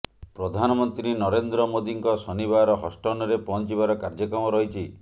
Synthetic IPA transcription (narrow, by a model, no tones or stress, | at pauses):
pɾɔd̪ʱanɔmɔnt̪ɾiinɔɾend̪ɾɔmod̪iŋkɔsɔnibaɾɔɦɔsʈɔnɔɾepɔɦɔnt͡ʃibaɾɔkaɾd͡ʒɔkɾɔmɔɾɔɦit͡ʃʰi